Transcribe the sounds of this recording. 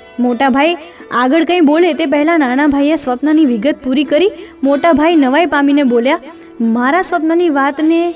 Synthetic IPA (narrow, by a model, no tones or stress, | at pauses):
moʈabʱajaɡəɭkə̃ĩbolet̪ep̬əɦɛlãnañabʱajesʋəpnaniʋɪɡət̪̚puɾikəɾimoʈabʱajnəʋajpaminebolja | maɾasʋəpnaniʋat̪ne